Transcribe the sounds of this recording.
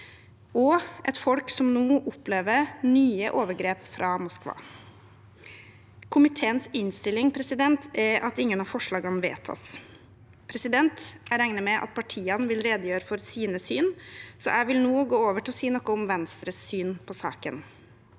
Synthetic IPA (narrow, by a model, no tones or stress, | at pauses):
ɔʔɛt̪fɔlksɔmnuːʔʊpleːʋəɾnyːəʔoːʋəɾɡɾeːpfɾʔɑmʊskʋɑ̰ː | kʰʊmɪt̪ʰeːənsɪnst̪ɪlːɪŋpʰɾɛsɪd̪ɛnt̪ʰɛʔɑt̪ɪŋːənɑfɔʂɭɑːɡənʋḛːt̪ʰːɑ̰s | pʰɾɛsɪd̪ɛnt̪æɾæŋnəmɛʔɑ̰t̪̚pʰɑʈʰiːənʋɪlɾeːd̪əjøːɾəfɔɾsiːnəsyːnsɔ̰ʔæɪʋɪlnuːɡoːoːʋəʈʰɪlɔsiːnɔkːəʊmʋɛnst̪ɾəsːyːnpʰɔsɑ̰ːkən